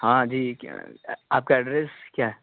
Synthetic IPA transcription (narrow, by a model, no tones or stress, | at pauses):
hãːd͡ʒiː | aːp̚kaɛɖɾeskjaːɦɛ